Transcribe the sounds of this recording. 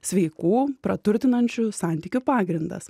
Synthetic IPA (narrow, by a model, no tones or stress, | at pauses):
sʲʋʲɛɪkuːpɾɐt̪ʊɾʲt̪ʲɪnɐnʲt͡ʃʲʊsɑnʲt̪ʲiːkʲʊpɑːɡɾʲɪnd̪ɐ̰s